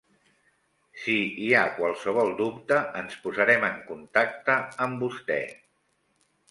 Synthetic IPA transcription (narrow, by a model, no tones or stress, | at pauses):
siːakwalˠsəβ̞ɔlˠd̪upt̪əənspuzəɾɛməŋkunt̪ak̚t̪əːmbust̪ɛ̰